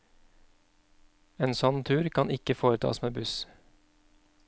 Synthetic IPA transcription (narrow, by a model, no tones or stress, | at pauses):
eːnsɔnt̪ʰʉːɾkʰɑnɪkəfoːɾət̪ʰɑ̰ːsmeːbʉs